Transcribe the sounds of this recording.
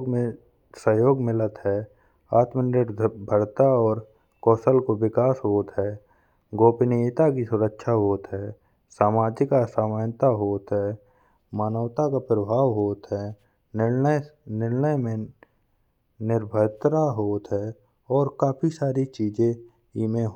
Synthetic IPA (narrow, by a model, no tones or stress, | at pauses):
mẽ | səɦjoːɡmɪlət̪ɦɛː | aːt̪mənɪɾbʱəɽt̪aɔːɾ | kɔːsəlkowɪkaːsɦoːt̪ɦɛː | ɡoːpɪnit̪akisʊɾəkʃʰaɦoːt̪ɦɛː | saːmaːd͡ʒɪkasaːməːnt̪aɦoːt̪ɦɛː | maːnəʋt̪akapɾəbʱaːʋɦoːt̪ɦɛ | nɪənɪɾnəjmẽ | nɪɾbʱəjt̪ɾaɦoːt̪ɦɛː | ɔːɾkaːpʰisaːɾit͡ʃiːd͡ʒẽ | imẽɦ